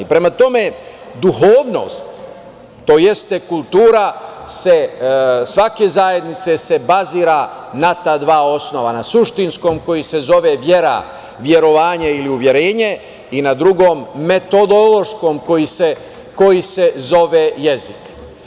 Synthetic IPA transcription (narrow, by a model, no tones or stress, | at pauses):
ipɾe̞mat̪o̞me̞ | d̪uɦoːʋno̞̰ːst̪ | t̪ːo̞ːje̞st̪e̞kulˠt̪uːɾase̞sʋake̞zaje̞d̪nit̪se̞se̞baziːɾanat̪aːd̪ʋaːo̞sno̞ʋanasuʃt̪insko̞mko̞jise̞zo̞ʋe̞ʋje̞ɾa̰ | ʋje̞ɾo̞ʋaːɲeiliuʋje̞ɾe̞ːɲe̞ | inad̪ɾuɡoːmːe̞t̪o̞d̪olo̞ʃko̞ːmko̞jise̞ | ko̞jise̞zo̞ʋeje̞zik